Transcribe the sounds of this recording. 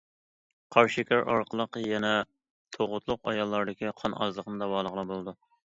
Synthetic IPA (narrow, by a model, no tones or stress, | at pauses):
qʰɑɾʃɪkʲʰæɾɑ̰ɾqʰəlˠəqjɛnɛ | t̪ʰoʁʊt̪ʰlˠʊqɑjɑlˠːɑɾd̪ɪkʲiqʰɑnɑ̰zlˠəqnɨd̪ɑwɑːlˠəʁlˠəbolˠd̪u